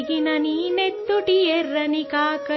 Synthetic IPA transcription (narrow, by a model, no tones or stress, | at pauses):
ɡinɐniːnet̪ːuʈieɾːɐnikaːkɐ